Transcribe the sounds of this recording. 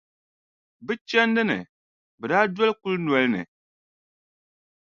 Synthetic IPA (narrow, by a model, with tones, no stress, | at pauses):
bɨ˦t͡ʃɛ˦ndɨ˦nɨ̰˨ | bɨ˨daː˦dɔ˦lku˦lnɔ˨lɨ˦nɨ̰˨